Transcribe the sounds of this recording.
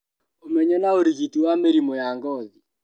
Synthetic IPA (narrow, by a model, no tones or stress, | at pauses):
omɛɲɔnaoɾiɣitiwameɾimɔjaŋɡɔði